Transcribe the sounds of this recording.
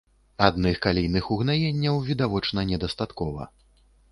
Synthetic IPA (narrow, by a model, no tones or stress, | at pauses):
ad̪nɨxkalʲijnɨxuɣnajenʲːɐwvʲid̪avɔt͡ʂnɐnʲɛd̪ast̪at̪kɔvɐ̰